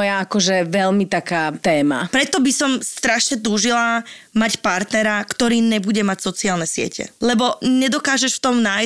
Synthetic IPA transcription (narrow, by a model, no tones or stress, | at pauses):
ɔjaakɔʒɛʋɛlmit̪akaːt̪ɛːma̰pɾɛt̪ɔbisɔmst̪ɾaʃɲɛt̪̬uːʒila | macpaɾt̪nɛɾakt̪ɔɾiːɲɛbuɟɛmacsɔt͡siaːlnɛsɪɛ̰cɛ̰lɛbɔɲɛd̪ɔkaːʒɛʃft̪ɔmnaj